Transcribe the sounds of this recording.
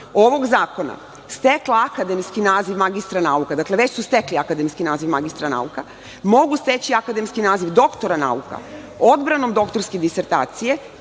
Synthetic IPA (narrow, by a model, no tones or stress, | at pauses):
oʋo̞ɡzaːko̞na̰ | st̪e̞klaakad̪e̞mskinaːziʋmaɡist̪ɾanaukad̪akle̞ʋet͡ɕsust̪e̞kliakad̪e̞mskinaːziʋmaɡist̪ɾana̰uka | mo̞ɡust̪e̞t͡ɕiakad̪e̞mskinaːziʋd̪o̞kt̪o̞ɾana̰uka̰ | o̞d̪bɾano̞md̪o̞kt̪o̞ɾsked̪iseɾt̪aːt̪sije̞